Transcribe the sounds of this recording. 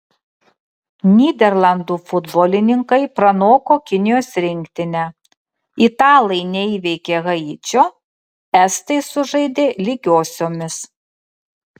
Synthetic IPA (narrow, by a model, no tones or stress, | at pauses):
nʲiːd̪ʲɛɾlˠɐnd̪uːfʊd̪boːlʲɪnʲɪŋkɐɪpɾɐnoːkoːkʲɪnʲɪjoːsɾʲɪŋʲkt̪ʲɪnʲæ | it̪ɑːlˠɐɪnʲɛiːʋʲɛɪkʲeːɣɐɪt͡ʃʲoː | ɛst̪ɐɪsʊʒɐɪd̪ʲeːlʲiɡʲoːsʲoːmʲɪs